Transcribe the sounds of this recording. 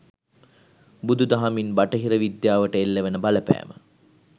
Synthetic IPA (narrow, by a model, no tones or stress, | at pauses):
bud̪ud̪aɦaminbaʈəɦiɾəʋid̪jaːʋəʈəelːeʋenəbaləpæ̰ːmə̰